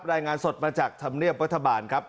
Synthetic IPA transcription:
p̚ɾaː˧jŋaː˧nso˨˩t̪̚maː˧t͡ɕaː˨˩k̚t̪ʰa˧mni˥˩əp̚ɾa˦˥t̪ʰːa˧baː˨˩nkʰa˦˥p̚

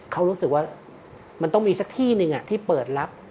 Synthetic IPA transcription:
kʰa˦˥wɾuː˦˥sɯ˨˩k̚waː˥˩ | ma˧nt̪ɔ˥˩ŋmiː˧sa˨˩k̚t̪ʰiː˥˩nɯ˧ŋʔa˨˩t̪ʰiː˥˩pɤː˨˩t̪̚ɾa˦˥p̚

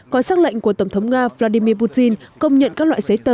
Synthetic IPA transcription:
kɔ˨˦saː˦˥k̚lə̰˧˨jŋ̟ku˧˩ət̪ə˧˩wŋ͡mt̪ʰwŋ͡mŋaː˧vlaː˧ɗi˧mi˧əp̬u˧˥t̚t̪i˧nkə˧wŋ͡mɲə̰˧˨nkaː˦˥k̚lwa̰ː˧˨zə˨˦jt̪əː˨˦

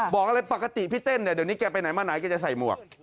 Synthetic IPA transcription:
bɔː˨˩k̚a˧ɾa˧jpa˨˩kːa˧t̪i˨pʰi˦˥t̪e˥˩ndi˧˩dni˦˥kɛː˧pa˧jna˨˩˦maː˧˥˩naː˩˦jkɛː˧t͡ɕa˨sa˨˩jmu˨˩ɐk̚

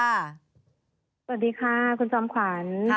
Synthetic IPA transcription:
a˧˩ | sa˧wt̚diː˨˦kʰaː˧˩kʰu˧nt͡ɕɔː˧mkʰwa˩˦n

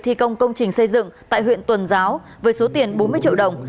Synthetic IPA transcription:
t̪ʰi˧kə˧wŋ͡mkə˧wŋ͡mt͡ɕï˨˩ŋ̟sə˧jzɨ̰˧˨ŋt̪a̰ː˧˨jɦwḭ˧˨nt̪wə˨˩nzaː˨˦w | vəː˨˦jso˨˦t̪i˨˩ənɓo˨˦nmɨ˧əjt͡ɕḭ˧ə˨ɗə˨˩wŋ͡m

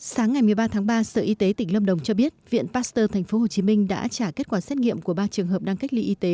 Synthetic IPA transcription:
saː˨˦ŋːa˨˩jmɨ˨˩əjɓaː˧t̪ʰaː˨˦ŋɓaː˧sə̰ː˧˨ʔi˧t̪e˨˦t̪ï˧˩ŋ̟lə˧mɗə˨˩wŋ͡mt͡ɕɔ˧ɓi˦˥ət̚vḭ˧˨ənpaː˦˥st̪əː˧t̪ʰa˨˩jŋ̟fo˨˦ɦo˨˩t͡ɕi˨˦mï˧ŋ̟ɗa̰ː˧˥t͡ɕaː˧˩ke˦˥t̚kwaː˧˩sɛ˦˥t̚ŋḭ˧˨əmku˧˩əɓaː˧t͡ɕɨ˨˩əŋɦəː˨˩p̚ɗa˧ŋka˦˥jk̚lḭ˧ʔi˧t̪e˨˦

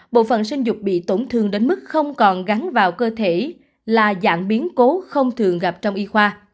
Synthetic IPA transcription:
ɓo̰˧˨fə̰˧˨nsï˧ŋ̟zʊ˨˩k͡p̚ɓḭ˧˨t̪o˧˩nt̪ʰɨ˨˩ŋɗe˨˦nmɨ˦˥k̚xə˧wŋ͡mkɔ˨˩nɣa˨˦nvaː˨˩wkəː˧t̪ʰe˧˩ | laː˨˩za̰ː˧˩ŋɓi˨˦ənko˨˦xə˧wŋ͡mt̪ʰɨ˨˩əŋɣa˨˩p̚t͡ɕɔ˧wŋ͡mʔi˧xwaː˧

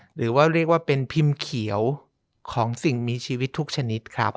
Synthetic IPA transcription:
ɾɯː˩˦waː˥˩ɾi˥˩ək̚waː˥˩pe˧npʰi˧mkʰi˩˦əw | kʰɔː˩˦ŋsi˨˩ŋmiː˧t͡ɕʰiː˧wi˦˥t̪ʰːu˦˥k̚t͡ɕʰa˧ni˦˥t̪̚kʰa˦˥˩p

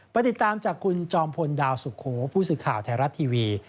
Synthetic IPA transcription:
pa˧jt̪i˨˩t̪ːaː˧mt͡ɕaː˨˩kʰːu˧nt͡ɕɔː˧mpʰo˧ndaː˧wsu˨˩kʰoː˩˦pʰuː˥˩sɯː˨˩kʰaː˨˩wt̪ʰɛː˧˦ɾa˦˥t̪ʰːiː˧wiː˧

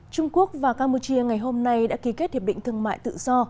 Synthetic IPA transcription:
t͡ɕʊ˧ŋ͡mku˦˥ək̚vaː˨˩kaː˧mpu˧t͡ɕi˧əŋa˨˩jɦo˧mna˧jɗa̰ː˧˥ki˨˦ke˦˥t̚t̪ʰi˨˩ɗḭ˧˨ŋ̟t̪ʰɨ˧əŋma̰ː˧˨jt̪ɨ̰˧˨zɔ˧

